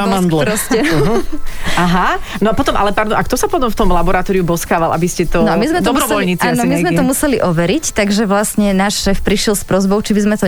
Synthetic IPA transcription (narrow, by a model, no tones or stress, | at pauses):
mand̪lɾɔsɛ | aɦa | nɔpɔt̪ɔmʔalɛpaɾd̪ɔmakt̪ɔsapɔt̪ɔmft̪ɔmlabɔɾat̪ɔːɾiubɔskaːʋalʔa̰biscɛt̪ɔnɔamizmɛtd̪ɔɔbɾɔʋɔlɲit͡saːnɔmizmɛt̪ɔmusɛliʔɔʋɛɾict̪aɡʒɛʋlasɲɛnaːʃʃɛːfpɾiʃɛlspɾɔzbɔʊt͡ʃibizmɛt̪ɔ